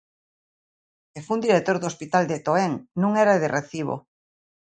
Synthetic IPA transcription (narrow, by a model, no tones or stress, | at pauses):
kefund̪iɾet̪oɾðospit̪ald̪et̪oeŋnũŋɛɾaðereθiβ̞o̰